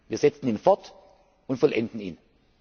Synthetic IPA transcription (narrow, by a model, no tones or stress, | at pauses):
viːɐz̥ɛt͡sn̩iːnfɔɐt | ʊntfɔlʔɛ̰ndn̩iːn